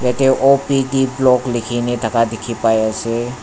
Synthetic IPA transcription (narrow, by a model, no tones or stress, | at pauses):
d͡ʒɛt̪eʔopiɖiblɔklɪkʰinet̪əkad̪ɪkʰipajase